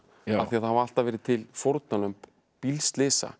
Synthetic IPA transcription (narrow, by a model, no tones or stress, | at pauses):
aθiaθhaval̥t̪avɛːɾɪt̪ʰɪlfowɾt̪nanʏm | pilst̪lɪsa̰